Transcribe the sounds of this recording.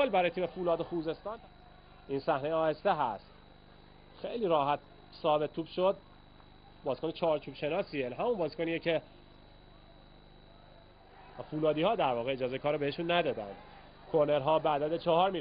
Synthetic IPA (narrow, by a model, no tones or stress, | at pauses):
lbæɾɒːjet̪ʰiːmefuːlɒːd̪oxuːze̞st̪ɒːn | insæhnejɒːjest̪eɦæst̪ | xejliːɾɒːɦæt̪̚ | sɒːbe̞t̪ʰːuːbʃod̪̚ | bɒːzkonet͡ʃʰɒːɾt͡ʃʰuːb̥ʃe̞nɒːsiːeɦæmunbɒːzkʰoniːecʰe | fuːlɒːd̪iːhɒːd̪æɾvɒːɣeed͡ʒɒːzekʰɒːɾobeheʃunːæd̪ɒːd̪æ̰nd̪ | kʰoneɾɦɒːbeːd̪æd̪et͡ʃʰɒɦɒːɾmi